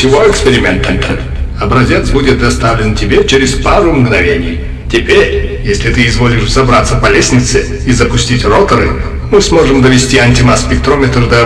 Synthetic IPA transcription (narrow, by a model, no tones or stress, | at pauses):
ɪvoɛkspʲɪɾʲɪmʲent̪ənt̪ʰə | ɐbɾɐzʲet̪sbudʲɪt̪̚d̪ɐst̪avlʲɪntʲɪbʲet͡ʃeɾʲɪspaɾʊmɡnɐvʲenʲɪj | tʲɪpʲeɾʲjesʲlʲɪt̪ɨɪzvolʲɪʂzɐbɾat̪səpɐlʲesʲnʲɪt̪sɨ | izəpʊsʲtʲitʲrot̪əɾɨ̰ | mɨsmoʐɨmd̪əvʲɪsʲtʲiɐnʲtʲɪmaspʲɪk̚t̪ɾomʲɪt̪rd̪ɐ